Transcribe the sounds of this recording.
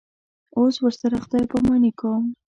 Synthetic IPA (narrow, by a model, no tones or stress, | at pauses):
oswəɾsaɾaχt̪ɑjpəmɑnikom